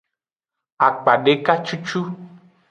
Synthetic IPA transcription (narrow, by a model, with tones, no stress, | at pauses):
a˨k͡pa˨ɖe˦ka˦t͡ʃu˦t͡ʃu˦